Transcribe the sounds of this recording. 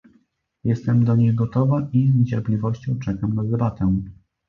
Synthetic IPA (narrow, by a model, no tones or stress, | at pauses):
jɛst̪ɛmd̪ɔɲejɡɔt̪ɔvaʔizɲt͡ɕɛɾplʲivɔɕt͡ɕɔ̃w̃t͡ʂɛkamnad̪ɛbat̪ɛ